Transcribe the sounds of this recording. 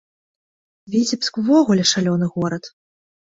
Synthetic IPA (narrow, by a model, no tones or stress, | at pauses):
vʲit͡sʲipskvɔɣulʲɛʂalʲɔnɨɣɔɾɐt̪